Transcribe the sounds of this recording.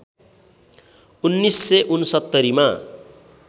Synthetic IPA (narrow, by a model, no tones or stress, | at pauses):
unːisːeʔunsʌt̪ːʌɾima